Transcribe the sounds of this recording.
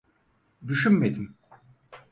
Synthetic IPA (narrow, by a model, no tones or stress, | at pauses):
d̪yʃynme̞d̪im